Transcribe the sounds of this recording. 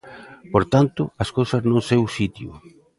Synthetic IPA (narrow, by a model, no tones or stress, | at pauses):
poɾt̪ant̪ʊɐskowsɐznõsewsit̪jʊ̰